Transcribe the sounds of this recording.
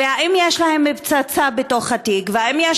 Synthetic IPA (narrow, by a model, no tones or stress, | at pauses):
eaʔimjeʃlahe̞mːebt͡sat͡sabeto̞χhatiɡveaimjeʃ